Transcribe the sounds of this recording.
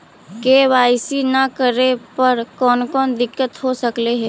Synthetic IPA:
keʋaːɪsinakəɾepɐɾkɔːnkɔːnd̪ɪkːət̪ɦosəkleɦɛː

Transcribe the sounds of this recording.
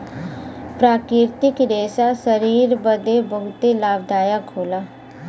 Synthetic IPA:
pɾaːkɾɪɾt̪ɪkd̪eːsasəɾiːɾbəd̪ebɐɦʊt̪elaːbd̪aːjakʰoːlaː

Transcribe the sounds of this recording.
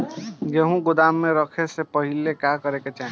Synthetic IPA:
ɡeɦũɡʊd̪amːeɾəkʰesepəɦilekakəɾeket͡ʃaɦĩ

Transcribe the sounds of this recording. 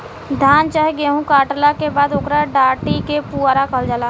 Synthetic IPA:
d̪ʱaːnt͡ʃaːɦeɡeːɦũkaːʈlakebaːd̪ʊkɾaɖaːʈikepuɾakəld͡ʒalaː

